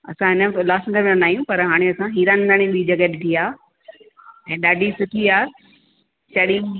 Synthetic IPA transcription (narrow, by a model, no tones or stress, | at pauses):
ɐ̰sãɦɪnəmt̪olaːsɡəɾmnɐnaːijũpɐɾɦaːɽ̃eɐsãɦiːɾaːnɡ̪ʱaɽ̃ĩɓid͡ʑɐɡətʈʰiaː | ɛ̃ːɗaːɖʱisʊʈʰiaː | t͡ɕɐɗĩ